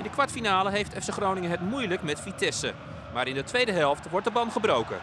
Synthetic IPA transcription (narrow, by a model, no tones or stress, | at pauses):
ɪndəkʋaɹtfinaːləɦejftʰɛfsəχrownɪŋəɦətmujləkmɛtfitʰɛsə̰ | maːɾɪndətʋejdəɦɛlˠftʋɔɹtdəbɑmχəbrowkə̰